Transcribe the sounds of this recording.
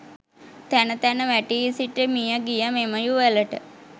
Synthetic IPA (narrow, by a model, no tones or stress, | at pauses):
t̪ænət̪ænəʋæʈiisiʈəmijəɡijəmeməjuʋeləʈə